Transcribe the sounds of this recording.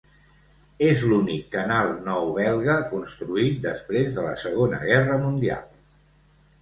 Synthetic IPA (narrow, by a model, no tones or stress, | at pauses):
ezlunikːənalˠnɔwβɛlˠɣəkunst̪ɾuit̪̚d̪əspɾezðələ̰səɣonə̰ɣɛrəmund̪ia̰lˠ